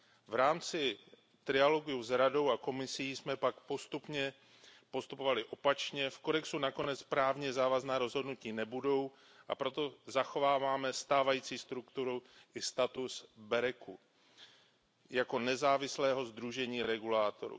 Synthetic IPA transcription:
vɾaːmt͡sɪ | t̪ɾɪalo̞ɡuzɾado̞wako̞mɪsiːsmɛpakpo̞st̪upɲɛ | po̞st̪upo̞valɪʔo̞pat͡ʃɲɛfko̞dɛksunako̞nɛt͡spɾaːvɲɛzaːvaznaːɾo̞zɦo̞dnuciːnɛbudo̞w | ʔa̰pɾo̞t̪o̞zaxo̞vaːvaːmɛst̪aːvajiːt͡siːst̪ɾukt̪uɾuʔɪst̪at̪usbɛɾɛku | jako̞nɛzaːvɪslɛːɦo̞zd̪ɾuʒɛɲiːɾɛɡulaːt̪o̰ɾṵ

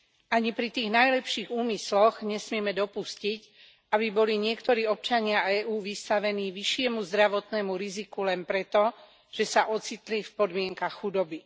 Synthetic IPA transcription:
aɲipɾit̪iːɣnajlɛpʃiːɣuːmislɔɣɲɛsmɪɛmɛd̪ɔpuscic | abibɔliɲɪɛkt̪ɔɾiːɔp̚t͡ʃaɲɪaɛːʔuːʋist̪aʋɛniːʋiʃɪɛmuzd̪ɾaʋɔt̪nɛmuɾizikulɛnpɾɛt̪ɔ | ʒ̥ɛsaʔɔt͡sit̪lifpɔd̪mɪɛŋkaxxud̪ɔbi

